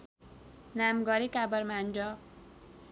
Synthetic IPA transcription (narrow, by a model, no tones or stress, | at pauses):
namɡʌɾikabʌrmand͡ʒʌ